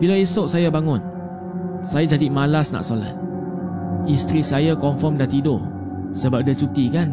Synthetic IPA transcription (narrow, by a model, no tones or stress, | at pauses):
bilaesoʔsajabaŋʊ̃n | sajad͡ʒadimalasna̰ʔsola̰t̪̚ | ist̪ɾisajakɔɱfɔmdat̪ido | səbap̚dət͡ʃut̪ikan